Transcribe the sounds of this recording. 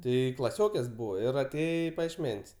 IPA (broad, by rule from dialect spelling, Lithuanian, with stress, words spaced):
ˈtɐɪ klˠɐˈsʲoːkʲeːs ˈbuːʋɐ ɪr ɐˈtʲeːjɛ ɪ pɐjiɛʃʲˈmʲɛnʲsʲ